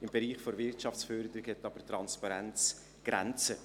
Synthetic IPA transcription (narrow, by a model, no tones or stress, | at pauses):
ɪmbeɾiːχfoɾvɪrtʃɑft͡ssfœɾd̪əɾɪɡhɛtːɑb̥ətɾɑnspɑɾɛnt͡s | ɡ̥ɾɛ̰nt͡sə